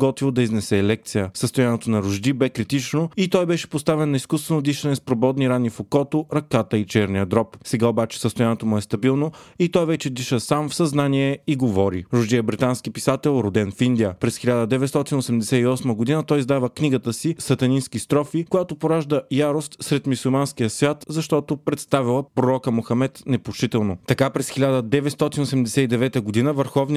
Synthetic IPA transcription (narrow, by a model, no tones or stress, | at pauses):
ɡɔt̪vilˠd̪ɐiznɛsɛlɛk̚t̪sijəsəst̪ojanɛt̪onɐɾʊʒd̪ibɛkɾit̪it͡ʃnoit̪ɔjbɛʃɛ̥post̪avɛnːɐiskust̪vɛnod̪iʃənɛspɾobɔd̪niɾanːifokɔt̪oɾɐkat̪əit͡ʃɛɾniəd̪ɾɔpsɛɡaobat͡ʃɛ̥səst̪ojanɛt̪omʊɛst̪ɐbilˠnoit̪ɔjvɛt͡ʃɛd̪iʃəsamfsɐznanʲiɛiɡovɔɾḭɾʊʒd̪iəbɾit̪anskipisat̪ɛlˠɾod̪ɛnfind̪iəpɾɛsxilʲad̪əd̪ɛvɛt̪st̪ɔt̪inosɛmd̪ɛsɛiɔsməɡod̪inət̪ɔjzd̪avəkniɡət̪əsisɐt̪ɐninskist̪ɾɔfikojat̪opoɾaʒd̪əjaɾost̪sɾɛt̪misulˠmansk̟ijəsvʲjat̪zɐʃt̪ɔt̪opɾɛt̪st̪avilˠəpɾoɾɔkəmoxɐmɛt̪nɛpoʃit̪ɛlˠnot̪ɐkapɾɛsxilʲad̪əd̪ɛvɛt̪st̪ɔt̪inosɛmd̪ɛsɛid̪ɛvɛt̪əɡod̪inəvəɾxɔvn